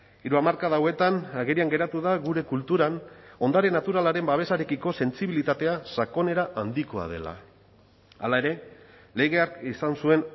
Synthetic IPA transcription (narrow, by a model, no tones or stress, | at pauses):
iɾuamaɾkaðawe̞t̪anaɣe̞ɾiaŋɡe̞ɾat̪uðaɣuɾe̞kult̪uɾano̞nd̪aɾenat̪uɾalaɾe̞mbaβ̞e̞saɾe̞kiko̞se̞nt͡siβ̞ilit̪at̪e̞asako̞ne̞ɾaʔand̪iko̞a̰ð̞e̞̰la̰ | a̰lae̞ɾe̞ | le̞ɣe̞akisansue̞n